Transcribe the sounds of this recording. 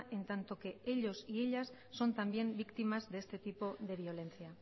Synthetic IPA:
ʔe̞nt̪ant̪o̞ke̞e̞ʎo̞sie̞ʎasːo̞nt̪ambje̞mbikt̪imazðe̞st̪e̞t̪ipo̞ðe̞β̞io̞le̞nθia

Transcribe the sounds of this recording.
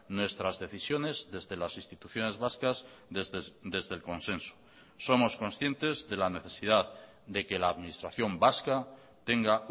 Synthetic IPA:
nwe̞st̪ɾazðe̞θisjo̞ne̞zðe̞zðe̞lasinst̪it̪uθjo̞ne̞zβaskaz | d̪e̞zðe̞lko̞nsẽ̞nsu̥ | so̞mo̞sko̞nsθje̞nt̪e̞zðe̞lane̞θe̞sið̞að | ðe̞ke̞laːðminist̪ɾaθjo̞mbaska | t̪e̞ŋɡa

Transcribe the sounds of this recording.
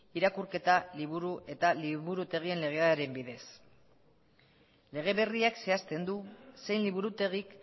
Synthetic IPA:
iɾakuɾke̞t̪aliβ̞uɾuʔe̞t̪aliβuɾut̪e̞ɣ̞ie̞nle̞ɣ̞eaaɾe̞mbiðe̞s | le̞ɣ̞e̞βe̞riakse̞ast̪e̞nd̪use̞jnliβuɾut̪e̞ɣ̞ik

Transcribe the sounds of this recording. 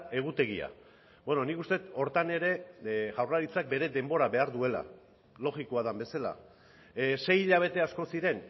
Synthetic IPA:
e̞ɣ̞ut̪e̞ɣia̰ | be̞no̞nikust̪e̞t̪o̞ɾt̪ane̞ɾe̞ʝawraɾit͡sak̚be̞ɾe̞ðe̞mbo̞ɾaβe̞aɾðue̞la̰ | lo̞ɣiko̞aðambe̞sala̰ | se̞jiʎaβ̞e̞t̪e̞asko̞siɾe̞n

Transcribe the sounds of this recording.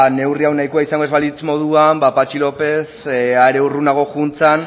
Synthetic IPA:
ne̞wriawnajkoaisaŋɡoe̞zβalit͡smo̞ðuambapat͡ʃilo̞pe̞saeɾe̞urunaɣ̞o̞xunt͡san

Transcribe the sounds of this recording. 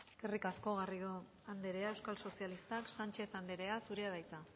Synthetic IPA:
eske̞rikasko̞ɣario | and̪e̞ɾe̞ae̞wskalso̞sialist̪aksant͡ʃe̞θand̪eɾe̞asuɾeað̞ajt͡sa

